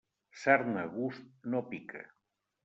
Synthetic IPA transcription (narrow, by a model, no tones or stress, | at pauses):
saɾnaɣust̪̚nopikʰḛ